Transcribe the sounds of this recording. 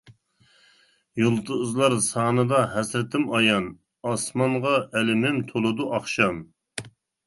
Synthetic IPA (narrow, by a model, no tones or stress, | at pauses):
jolˠt̪ʰuzlˠɑɾsɑːnɨd̪ɑɦɛsɾɪt̪ʰɪmɑjɑn | ɑsmɑnʁɑʔɛlɪmɪmt̪ʰolˠɨd̪uʔɑχʃɑm